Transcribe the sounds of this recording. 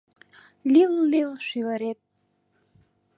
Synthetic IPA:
lʲillilʃyβəɾet̪̚

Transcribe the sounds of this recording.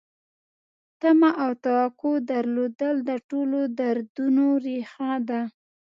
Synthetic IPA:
t̪amaʔawt̪awaqod̪aɾlod̪əld̪əʈolod̪aɾd̪unoɾexɑd̪a

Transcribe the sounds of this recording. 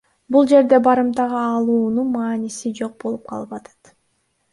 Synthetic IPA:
bulˠd͡ʒe̞ɾd̪e̞bɑɾɯmt̪ɑʁɑːlˠuːnunmɑːnisid͡ʒo̞q̚bo̞lˠup̚qʰɑlˠɯpɑt̪ʰɑ̥t̪

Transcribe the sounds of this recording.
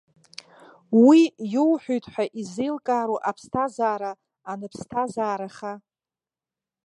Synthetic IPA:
wijowħʷᶣojtʰʼħʷᶣaʔizejlkʼaːɾoʔapʰstʰazaːɾaː | nɨpʰstʰazaːɾaχa

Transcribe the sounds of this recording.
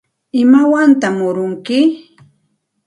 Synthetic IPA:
ɪmawant̪amʊɾʊŋkɪ

